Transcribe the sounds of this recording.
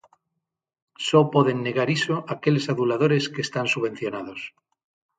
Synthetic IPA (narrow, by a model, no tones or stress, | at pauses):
sopoðe̞nːe̞ɣaɾisoʔake̞le̞saðulað̞o̞ɾeskeːst̪ansuβe̞n̟θjo̞nað̞o̞s